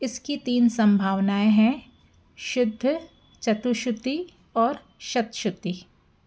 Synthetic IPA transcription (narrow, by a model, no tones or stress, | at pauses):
ɪskit̪iːnsɐ̃mbʱaːʋnaːeɦɛ̃ | ʃʊd̪ʱːə | t͡ʃɐt̪uʃʊt̪i | ɔːɾ | ʃɐt̪ʃʊt̪i